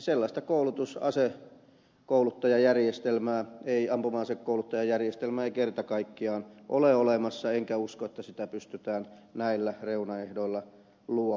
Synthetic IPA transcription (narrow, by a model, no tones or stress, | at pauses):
selːɑst̪ɑkoulut̪usɑ̰se | koulut̪ːɑjɑjærjest̪elmæːeiɑmpumɑːnsekkoulut̪ːɑjɑjærjest̪elmæːeikert̪ɑkɑikːiɑːnʔo̰leolemɑsːɑeŋkæuskoet̪ːæsit̪æpyst̪yt̪æːn | næilːæreunɑehdoilːɑ | luɑ